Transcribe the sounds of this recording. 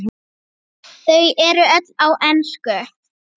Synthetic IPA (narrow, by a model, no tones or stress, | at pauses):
θœɥjɛɾʏœt̪lawʔɛnskœ